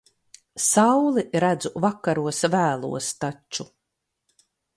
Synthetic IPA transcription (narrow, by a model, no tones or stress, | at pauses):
sawlˠiɾæd̪zuvakːaɾuɔsvæːlˠṵɔst̪at͡ʃːu